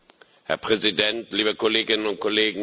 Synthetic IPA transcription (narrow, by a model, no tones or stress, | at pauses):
hɛ̰ɐpʁ̥ɛzidɛntliːbəkoleːɡɪnənʊnt̚kʰoleːɡŋ̩